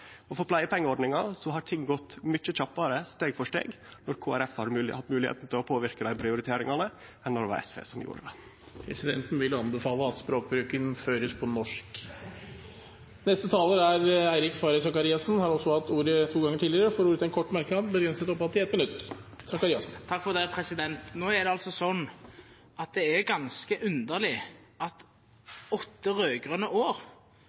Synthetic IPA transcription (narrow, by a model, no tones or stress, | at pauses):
ɔfɔɾpʰlæɪəpʰɛŋːəɔɖɳɪŋɑsɔɦɑɾʈʰɪŋːɡɔt̪ːmʏt͡ʃːəc͡çɑpːɑɾəst̪eːɡfɔʂʈḛːɡnɔɾkʰoːæɾɛfhɑɾhɑt̪ːmʉːlɪhḛːt̪n̩t̪ʰɪlɔpʰoːʋɪɾkəd̪æɪpʰɾɪʊɾɪt̪ʰeːɾɪŋɑnə | ɛnːɔd̪ɛʋɑ̰ɾɛ̰sʋḛːsɔmjṵːɾə̰d̪ɛ | pʰɾɛ̰sɪd̪ɛ̰nt̪n̩ʋɪlɑnbəfɑːləɑt̪spɾoːk̚bɾʉːkənføːɾəspʰɔnɔʂk | nɛst̪ət̪ʰɑːləɾæɾæɪɾɪkfɑɾəsɑkɑɾiːɑsn̩hɑɾɔsːɔhɑt̪ːuːɾət̪ʰuːɡɑŋːəʈʰiːlɪɾəfoːɾuːɾət̪ɛnkʰɔʈːmæɾkəɑbəɡɾɛnsət̪ɔpːhɑt̪ːɪɛt̪mɪnʉt̪ːsɑkɑɾiːɑsn̩t̪ʰɑkːfɔd̪æɾəpʰɾɛsɪd̪ɛnt̪noːɛd̪ɛɑlsɔsɔnː | ɑt̪̚d̪ɛɛɡɑnskəʔʉnd̪əʁlɪ | ɑt̪ | ɔt̪ːəɾøːɡʁənəʔoːɾ